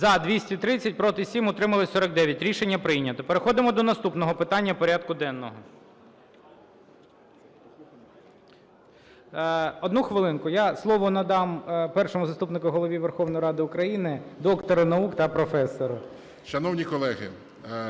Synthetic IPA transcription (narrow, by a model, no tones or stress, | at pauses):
zɐd̪ʋʲisʲtʲit̪ɾɪt͡sʲːɐt̚ʲpɾɔt̪ɪsʲimɔt̪ɾɪmɐlˠɪsʲɔɾɐɡ̚d̪ɛʋʲjɐtʲɾʲiʃenʲːɐpɾɪjnʲːɐt̪ɔpeɾexɔd̪ɪmɔd̪ɔnɐst̪upnɔɦɔpɪt̪ɑnʲːɐpɔɾʲɑd̪̚kʊd̪ɛnːɔɦɔ | ɔd̪nuxʋɪlˠɪnkʊjɑslˠɔʋɔnɐd̪ɑmpɛrʃɔmʊzɐst̪upnɪkʊɦɔlˠɔʋʲiʋerxɔwnɔjɾɑd̪ɪʊkɾɐjinɪd̪ɔkt̪ɔɾɐnɐukt̪ɐpɾɔfɛsːɔɾɐ | ʃɐnɔwnʲikɔlˠɛɦɪ̰